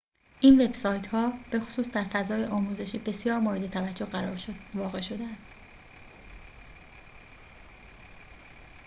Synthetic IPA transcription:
ʔiːnve̞bsɒːjt̪ʰhɒːb̥e̞xo̥suːsd̪æɾfæzɒːjeʔɒːmuːze̞ʃiːbe̞sjɒːɾmoːɾe̞d̪e̞t̪ʰævæd͡ʒːohɢæɾɒːɾʃvɒːɣe̞ʃo̞d̪eænd̪̥

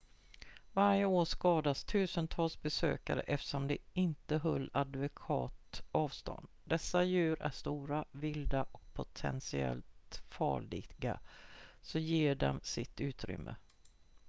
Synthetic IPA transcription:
vaɾjəoːʂkɑːd̪ast̪ʰʉ̟ːsənt̪ʰɑːlsbɛsø̰ːkaɾə̰ʔɛft̪ə̥ʂɔmd̪ɛɪnt̪əɦœlːad̪vʊkʰɑːt̪ɑːvst̪ɔ̰nd̪d̪ɛsːajʉ̟ːɾʔæʂt̪uːɾavɪld̪aʔɔk̚pʰʊt̪ʰɛ̰nsɪɛ̰lt̪fɑ̰ːɭɪɡa̰ | sɔjeːɖɔmsɪt̪ʉ̟ːt̪ɾʏ̰mːə

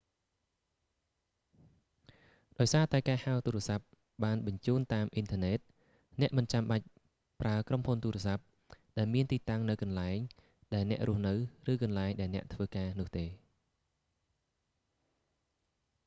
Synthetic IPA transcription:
ɗaɔjsaːt̪aɛkaːhaɔt̪uːɾɛ̆əsap̚ | ɓaːnɓɑɲt͡ɕuːnt̪aːmʔint̪ʰə̆nɛːt̪̚ | nɛ̆əʔmɨnt͡ɕamɓac̚ | praəkromhunt̪uːɾɛəsap̚ | ɗaɛlmiənt̪iːt̪aŋnɨwkɑnlaɛŋ | ɗaɛlnɛ̆əʔrʊ̆əhnɨwrɨːkɑnlaɛŋɗaɛlnɛ̆əʔt̪ʰʋəːkaːnʊ̆əht̪eː

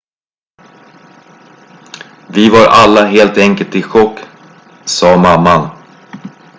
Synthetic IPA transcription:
vɪvaɾalːaɦeːlt̪ɛŋkəlt̪ɪɧɔkː | sɑːmamːan

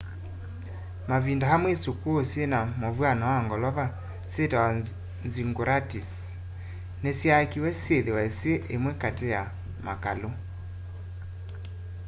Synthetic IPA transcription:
mavindaɦamwesokuosjenamovwanawaŋɡɔlɔβa | setawa | nziŋɡoɾatis | nesjakiwɛsjeðewɛsjeʔemwɛkateja | makalo

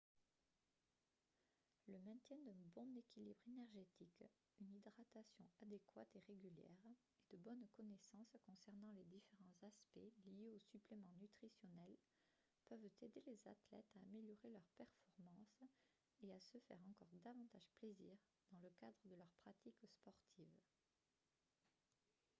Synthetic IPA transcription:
ləmɛ̃t̪jɛ̃d̪ɛ̃bɔ̃nekʲilibʁenɛʁʒet̪ik | ynid̪ʁat̪asjɔ̃ad̪ekwa̰t̪eʁeɡʲyljɛ̰ʁ | ed̪əbɔnkɔnesɑ̃skɔ̃sɛʁnɑ̃led̪ifeʁɑ̃zaspɛlijeosyplemɑ̃nyt̪χisjɔnɛl | pœvt̪ed̪eleza̰t̪lɛ̰t̪aːmeljɔʁelœʁpɛʁfɔʁmɑ̃s | easəfɛ̰ʁɑ̃kɔʁd̪avɑ̃t̪aʒpleziːʁ | d̪ɑ̃ləkad̪ʁəd̪əlœʁpχat̪ʰikspɔʁt̪ʰiv

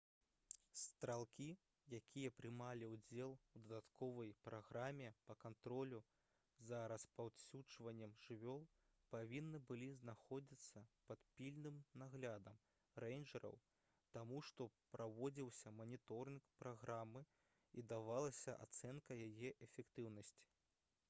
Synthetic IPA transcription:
st̪ɾalˠkʲi | jakʲʰijɐpɾɨmalʲiwd͡zʲɛlˠwd̪ɐd̪at̪kʰɔvɐjpɾaɣɾamʲɛpɐkant̪ɾɔlʲu | zɐɾɐspawsʲuʐvɐnʲːɛmʐɨvʲɔlˠ | pavʲinːɨbɨlʲiznaxɔd͡zʲit̪sːɐpɐt̪pʲilʲnɨmnaɣlʲad̪ɐm | rɛjnʐɐɾɐ̰w | t̪amuʂt̪ɔpɾʔavɔd͡zʲiwsʲɐmɐnʲit̪ɔɾɨnkpɾaɣɾamːɨ | id̪avalˠɐsʲɐʔa̰t̪sɛnkɐjajɛʔɛfʲɛkt̪ɨwnɐsʲt͡sʲi̥

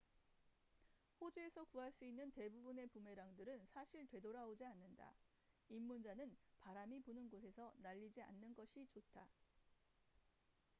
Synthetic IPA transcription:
ɸod͡ʑiesʰʌkuɦaɭs͈uinːɯnte̞bubune̞pume̞ɾaŋdɯɾɯnsʰaɕʰiɭtwe̞doɾaod͡ʑianːɯnda̰ | imːund͡ʑanɯnpaɾamiponɯnɡosʰe̞sʰʌnaʎːid͡ʑia̰nːɯnɡʌɕʰit͡ɕotʰa

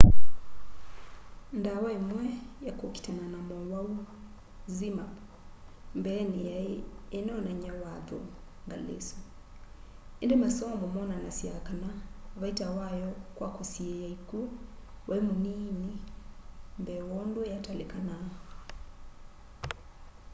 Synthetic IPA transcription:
ndawaimwɛjakɔki̥tananamɔwau | zima | mbɛn | ɛnɛɔnaɲawaðɔ̰ | ŋɡalḛsɔ | ɛndɛmasɔmɔmɔnanasiakanaβaitawajɔkwakɔsiɛjaikuwʔaimunini | mbɛwɔndwɛjatalɛkana

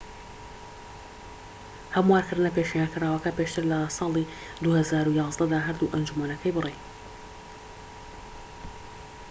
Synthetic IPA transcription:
hɐmuwaːɾkɨɾd̪ɨnɐpeːʃijankʰɨraːwɐkɐpeːʃt̪ʰɨɾlɐsˤɑːlˠi | d̪uhɐzaːɾujɑːzd̪ɐd̪aːɦɐɾd̪uʔɐnd͡ʒumɐnɐkʰɐjbɨrej

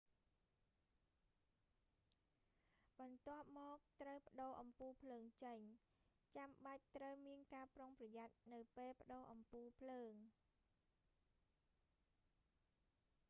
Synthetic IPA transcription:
ɓɑnt̪ŏəp̚mɔːk̚t̪rəwpə̆ɗoːʔɑmpuːpʰləːŋt͡ɕəɲ | t͡ɕamɓac̚t̪rəwmiənkaːproŋprɑjat̪̚nɨwpeːlpə̆ɗoːʔɑmpuːpʰləːŋ

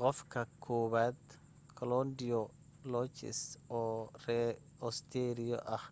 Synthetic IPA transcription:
qɔfkʰɐkʰɔːβaːd̪ | kʰɔlɔnd̪ɪjɔ | lɔːt͡ʃɪ̰sɔːrɛ | ɔst̪ʰɛɾɪjɔ̰ʔɐh

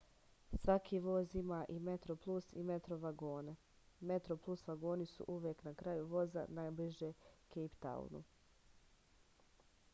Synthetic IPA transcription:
sʋakʰiːʋo̞ːzimaːʔimet̪ɾoplˠusḭmet̪ɾoʋaɡo̞ːne | me̞t̪ɾoplˠusʋaɡo̞ːnisṵʔuʋjeːknakɾajuʋo̞za̰najbliʒekejpt̪a̰ṵnṵ

